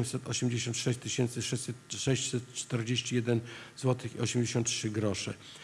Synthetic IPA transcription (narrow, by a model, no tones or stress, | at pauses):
msɛt̪ɔ̰ɕɛmd͡ʑeɕɔ̃nt̪ʂɛɕt͡ɕt̪ɘɕɛnt̪sɘɨʂɛt͡ɕʲsɛt̪ʂɛɕt͡ɕsɛt̪t͡ʂt̪ɛɾd͡ʑeɕt͡ɕijɛd̪ɛnzwɔt̪ɘxḭɔɕɛmd͡ʑeɕɔ̃nt̪tʂɘɡɾɔʂɛ̰